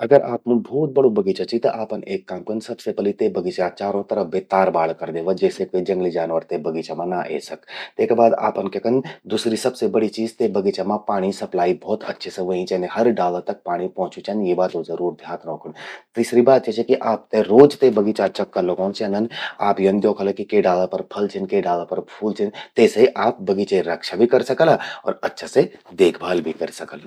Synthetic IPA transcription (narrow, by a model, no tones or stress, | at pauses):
ɐɡəɾʔaːpmũbʱɔːt̪̚bɐɽobɐɡiːt͡ʃat͡ʃʰit̪ɐʔaːpənʔeːkːaːmkənsɐbsepəlit̪ebɐɡiːt͡ʃat͡ʃaːɾõt̪ɐɾəbeːt̪aːɾbaːɽkɐɾd̪eːʋad͡ʒɛːsekoid͡ʒɐ̃ŋɡlid͡ʒaːnʋəɾt̪ebɐɡiːt͡ʃamãnaʔḛːsɐkt̪eːkbaːd̪a̰ːpənkekənd̪uːsɾisɐbsebɐɽit͡ʃiːzt̪ebɐɡiːt͡ʃamãpaːɽ̃isɐplaːibʱɔːt̪ɐ̰tːʃʰeseʋoĩt͡ʃɛnehɐɾɖaːlət̪ɐk̚paːɽ̃ipɔ̃ːt͡ʃut͡ʃɐnjebaːt̪õzəɾuːɾd̪ʱjaːt̪ɾɔ̃ːkəɳt̪iːsɾibaːt̪̚t͡ʃet͡ʃʰekiʔaːp̚t̪eɾoːd͡ʒt̪ebəɡit͡ʃat͡ʃɐkːɐloɡɔːnt͡ʃenəna̰ːpjɐnd̪joːkʰəlakikeɖaːlapɐɾpʰɐlt͡ʃʰənkeɖaːlapɐɾpʰuːlt͡ʃʰənt̪eːseʔaːp̚bɐɡit͡ʃeɾɐkʃabʱikɐɾsɐkəlaɔ̰ːɾɐtːʃʰased̪eːkʰbʱaːlbʱikɐɾsɐkəl